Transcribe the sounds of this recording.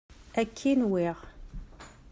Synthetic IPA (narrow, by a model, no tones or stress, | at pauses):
ækʰːinwiʁ